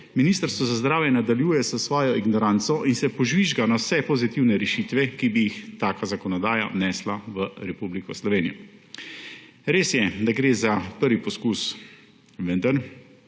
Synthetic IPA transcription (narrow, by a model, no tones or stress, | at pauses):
miniːst̪əɾst̪ʋɔzazd̪ɾaːwjɛnad̪aljuːjɛzəsʋɔːjɔiɡnɔɾant̪sɔʔinsɛpɔʒʋiʒɡanawsɛpɔzit̪iwnɛɾɛʃiːt̪ʋɛkibijixt̪aːkazakɔnɔd̪aːja̰nɛslaʋəɾɛpublikɔslɔʋeːnijɔ | ɾeːsjɛd̪aɡɾeːzapəɾʋipɔskus | ʋənd̪əɾ